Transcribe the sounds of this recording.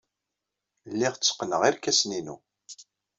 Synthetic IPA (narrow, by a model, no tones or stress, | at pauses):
lːiʁt͡st͡sːə̥qːnəʁiɾkæsninu